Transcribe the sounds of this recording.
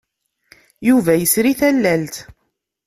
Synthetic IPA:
juvæjəsɾiθælːælt̪

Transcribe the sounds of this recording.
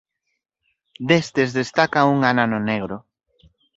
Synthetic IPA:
d̪est̪ezðest̪akauŋananʊneɣɾʊ

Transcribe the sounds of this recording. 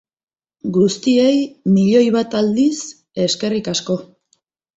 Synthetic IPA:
ɡust̪ie̞jmiʎo̞jβat̪ald̪is | e̞ske̞rikasko̞

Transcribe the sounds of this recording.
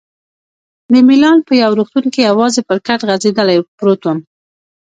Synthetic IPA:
d̪əmɪlɑnpəjawɾuxt̪unkejawɑzepəɾkaʈɣazed̪əlajpɾot̪on

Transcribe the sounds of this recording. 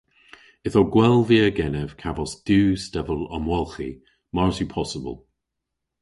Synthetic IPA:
ɪðɔɡwɛlˠviəɡɛnɛv̥kʰavɔsd̥uːstɛvəlɔ̰mwɛlˠxḭ | maɹsupʰɔsəbə̰lˠ

